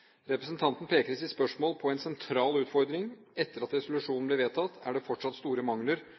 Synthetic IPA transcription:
ɾɛpɾəsnt̪ʰɑnt̪n̩pʰeːkəɾsɪt̪spœʂmoːlpʰɔɛnsɛnt̪ʰɾɑːlʉːt̪fɔɾd̪ɾɪŋɛt̪ːəɾɑt̪ɾɛsʊlʉʂuːnn̩blɪɾʋeːt̪ʰɑt̪ːæɖɛfɔʈʂɑt̪st̪uːɾəmɑŋləɾ

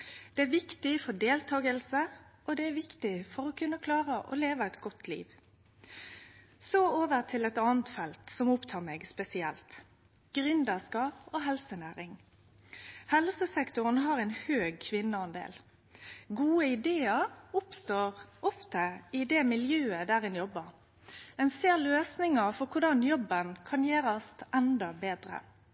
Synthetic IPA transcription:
d̪̥ɛæʋɪkt̪ɪfɔɖeːlt̪ʰɑːɡəlsəʔɔd̪ɛæʋɪkt̪ɪfɔɾɔkʰʉnːəkʰlɑːʁəʔɔ̰leːʋəɛt̪ɡɔt̪ʰlḭːʋ | sooːʋəʁt̪ʰɪlɛt̪ɑːnt̪fɛlt̪sɔmʊpt̪ʰɑːʁmeːɡspɛsɪɛlt̪ | ɡ̥ʁʏnd̪əʁskɑːpoːɦɛlsənæːɾɪŋ | hɛlsəsɛkt̪ʊʁənɦɑːʁɛɪnhøːɡ̚kʰʋɪnːəɑnd̪ḛːl | ɡuːəɪd̪eːəɾʊpst̪oːʁɔft̪əɪd̪ɛmɪljøːəd̪æːʁɪnjɔbːəʁ | ɛnseːʁløːsnɪŋəʁfɔʁkʰʊʁɖɑnjɔbənkʰɑnjeːɾɑst̪ʔɛnd̪ɑbeːd̪ɾə̰

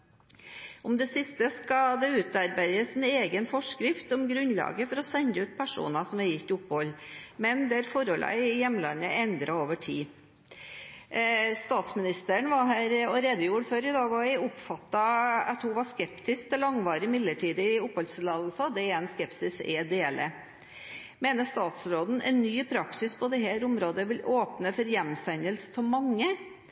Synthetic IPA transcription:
ɔmd̪ɛsɪst̪əskɑd̪ɛʉːt̪ɑɾbæɪəsɛneːɡənfɔʂkɾɪft̪ɔmɡɾʉnlɑ̰ːɡəfɔɾɔsɛnd̪əʉːt̪̚pʰæʂṵːnɑsɔmæɾjɪt̪ːʊpːhɔlːmɛnd̪ɛæɾfɔɾɔlʔæ̰ɪjɛmːlɑ̰nːəɛnd̪ɾɑoːʋəʈʰiː | st̪ɑːt̪smɪnɪst̪əəɳʋɑɦæːɾɔɾeːd̪əjuːɾføːɾɪd̪ɑːɡɔæɪʊpfɑt̪ːɑɑt̪hʊʋɑʂkɛpt̪ɪsk̚d̪ɛlɑŋʋɑːɾɪmɪd̪ləʈʰiːd̪əɪʊphɔlslɑːd̪lsɑd̪ɛɛnskɛpsɪsɛd̪eːlə | meːnəʂt̪ɑːt̪sɾoːd̪n̩ɛ̰nːyːpʰɾɑksɪspʰɔd̪ɛɦæːɾʊmɾoːd̪əʋɪloːpnəfɔɾjɛmːsænəlsə̥t̪ʰɪmɑŋːə

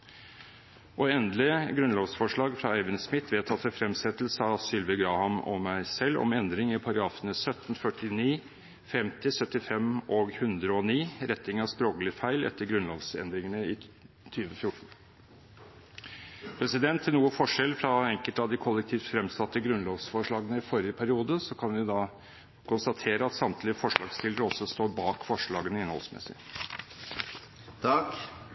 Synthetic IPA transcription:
ʔɔɛnd̪lɪɡɾʉnloːʋsfɔʂɭɑːɡfɾɑɛːʋɪnsmɪt̪ʰːʋeːt̪ʰɑt̪ɛfɾɛmsɛt̪əl̩səɑsʏlʋəɡɾɑːhɑmɔ̰mæɪsɛlːɔ̰mɛnd̪ɾɪŋɪpʰɑɾɑɡɾɑːfənəsœt̪ːn̩fœʈɪniː | fɛmt̪ɪsœt̪ːɪfɛmɔɡhʉnd̪ɾəɔniːɾɛt̪nɪŋɑʋspɾoːɡlɪfæɪlɛ̰t̪ːəɾɡɾʉnloːʋsɛ̰nd̪ɾɪŋənəɪ | t̪ʰyːʋəfjʊʈːɳ̩ | pʰɾɛsɪd̪ɛnt̪ʰːɪlnuːəfɔʂɛlfɾɑɛŋkəlt̪ɑʋd̪ɪkʰɔlːɛk̚t̪ʰiːʋ̪fɾɛmsɑt̪ːəɡɾʉnloːʋsfɔʂɭɑːɡənəɪfɔɾɪəpʰæɾɪuːd̪əsɔkʰɑnʋɪd̪ɑː | kʰʊnst̪ɑt̪ʰeːɾəɑt̪sɑmt̪lɪəfɔʂɭɑ̰ːɡst̪ɪləɾəɔsːɔst̪oːɾbɑːkfɔʂɭɑːɡənəɪnhɔ̰lsmɛ̰sːɪ̰ | t̪ʰɑk

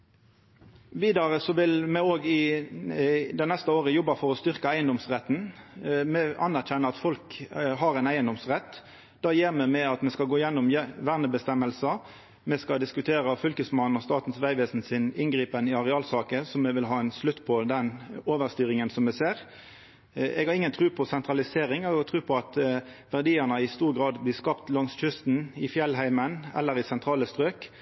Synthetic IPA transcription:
ʋiːd̪ɑʁəsɔʋɪlmɛoːɡɪ | d̪ɛɪnɛst̪əoːʁəjɔbɑfɔʁɔst̪ʏʁkəæɪənd̪ɔmsʁɛt̪ːn̩mɛʔɑnæʁçɛnːəɑt̪fɔlkɦɑʁæɪnæɪənd̪ɔmsʁɛt̪ː | d̪̥ɑːjeːʁmɛmɛɑt̪mɛskɑɡoːɪjɛnːʊmjʋæʁnəbəst̪ɛmːəlsɑ | mɛskɑd̪ɪskʉt̪ʰeːʁəfʏlkəsmɑnnɔst̪ɑːt̪n̩sʋæɪʋeːsn̩sɪnɪnɡʁiːpənɪɑʁɛɑːlsɑːkəsɔmɛʋɪlɦɑːɛnslʉt̪ːpʰɔd̪ɛnoːʋəʁst̪yːʁɪŋənsɔmːɛseːʁ | ɛ̰ɡhɑʁɪŋːənt̪ʰʁʉːpʰɔsɛnt̪ʁɑlɪseːʁɪŋɛɡɑʁt̪ʰʁʉːpʰɔɑt̪ | ʋæʁd̪iːəʁnəɪst̪uːʁɡʁɑːd̪blɪːskɑpt̪lɑŋsçʏst̪n̩ɪfjɛlɦæɪmənɛ̰lːəɾɪsɛnt̪ʁɑːləst̪ʁøːk

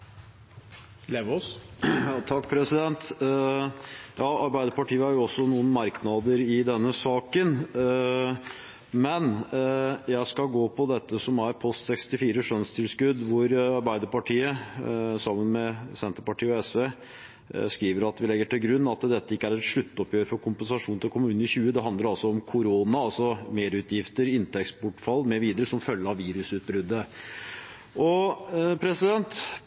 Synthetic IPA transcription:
leːʋɔsjɑt̪ʰɑkːpʰɾɛsɪd̪ɛnt̪ | jɑːɑɾbæɪd̪əɾpɑʈiːəhæɾjʊɔsːɔnuːənmɑɾknɑd̪əɾɪd̪ɛnːəsɑːkən | mɛn | jæɪskɑlɡoːpʰɔd̪ɛt̪ːəsɔmæɾpʰɔst̪sɛkst̪ɪfiːɾəʂœnst̪ʰɪlskʉd̪ʋʊɾɑɾbæɪd̪əɾpɑʈʰiːəsɑmːənmɛsɛnt̪əɾpɑʈʰiːəɔɛsʋe | skɾiːʋəɾɑt̪ʋɪlɛɡːəʈɪlɡɾʉnːɑt̪d̪ɛt̪ːəɪkːəæɾɛt̪ʂɭʉt̪ːɔpjøːɾəfɔɾkʰʊmpənsɑʂuːnt̪ʰɪlkʰʊmʉːnn̩ɪçʉːəd̪ɛɦɑnd̪ləɾɑlsɔɔmkʰʊɾoːnɑɑlsɔmeːɾʉːt̪jɪft̪əɾɪnt̪ʰɛkst̪bʊʈfɑlːmeɾʋiːd̪əɾəsɔmfœlːəɾɑʋiːɾʉsʉːt̪̚bɾʉd̪ːə | ʔɔpʰɾɛsɪd̪ɛnt̪

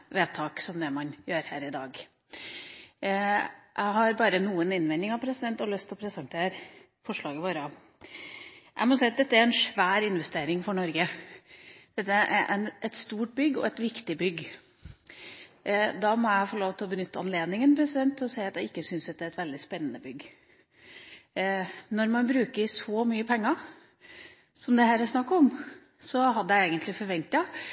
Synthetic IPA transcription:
ʋeːt̪ʰɑːksɔmd̪ɛmɑnjøːɾhæːɾɪd̪ɑːɡ | jʔæ̰ɪɦɑɾbɑːɾənuːənɪnʋɛnɪŋɑʋpʰɾɛsɪd̪ɛnt̪ɔlœst̪ʰɔpʰɾɛsɛnt̪ʰeːɾ | fɔʂɭɑːɡəʋoːɾə | ʔæ̰ɪmɔsæɪɑt̪̚d̪ɛt̪ːəæɾɛnʂʋæːɾɪnʋɛst̪eːɾɪŋfɔɳɔɾɡə | d̪̥ɛt̪ːəæʔæʔænʔɛt̪st̪uːʈ̚bʏɡːɔ̰ɛt̪ʋɪkt̪ɪbʏɡ | d̪ɑmɔjæɪfɔɭoːʋt̪ʰɪlɔbənʏt̪ːəɑnleːd̪nɪŋənpʰɾɛsɪd̪ɛnt̪ʰːɔsæɪɑt̪jæɪkːəsʏnsd̪ɛt̪ːəæɾɛt̪ʋɛld̪ɪspɛnːənəbʏɡ | nɔɾmɑnbɾʉːkəsɔmyːəpʰɛŋːɑ | sɔmd̪ɛhæːɾæʂnɑkːɔm | sɔhɑd̪ːəjæeːɡənt̪lɪfɔɾʋɛnt̪ɑ

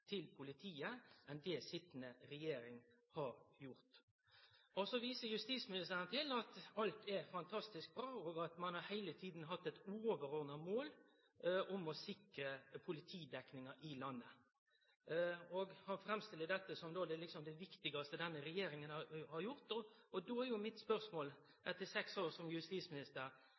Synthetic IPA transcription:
t̪ʰɪlpʰʊlɪt̪ʰiːəʔɛnd̪ɛsɪt̪ːnəɾɛjeːɾɪŋ | hɑɾjʊɾt̪ | ɔsɔʋiːsəɾjʉst̪iːsmɪnɪst̪ʰæːɾənət̪ʰɪlɑt̪ɑlt̪ɛɾfɑnt̪ʰɑst̪ɪsk̚bɾɑːɔːɡɑt̪mɑnhɑɾhæɪlət̪ʰiːd̪n̩ɦɑt̪ːɛt̪ʉːoːʋəɾɔʁnɑmoːl | ʊmɔsɪkɾəpʰʊlɪt̪ʰiːd̪ɛknɪŋɑɾʔɪlɑnːə | ɔɡhɑnfɾɛmst̪ɪlːəd̪ɛt̪ːəsɔmd̪oːd̪ɛlɪksɔmd̪ɛʋɪkt̪ɪɡɑst̪əd̪ɛnːəɾɛjeːɾɪŋənɑhɑɾjʊɾt̪ɔɔd̪oːæɾjʊmɪt̪spœʁsmoːl | ɛt̪ːəsɛksoːɾsɔmjʉst̪iːsmɪnɪst̪əɾ

